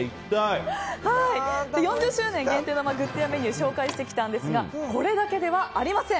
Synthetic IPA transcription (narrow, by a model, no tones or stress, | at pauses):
it̪ahaid̪ejõɲ̟d͡ʑɨɕɨːnẽ̞ŋɡent̪eːnomaɡɯ̟t̪ːijame̞ɲ̟ɯ̟ːɕo̞ːkaiɕi̥t̪ekʲi̥t̪ãnd̪e̞sɨɡako̞ɾe̞d̪ake̞d̪e̞βaʔːɾʲimasẽ̞